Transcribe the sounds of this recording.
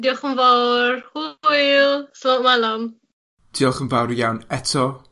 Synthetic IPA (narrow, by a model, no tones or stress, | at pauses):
diɔχənvawrhujlslɔʔmalam | d̥iɔχənvawrjawnɛtʰɔ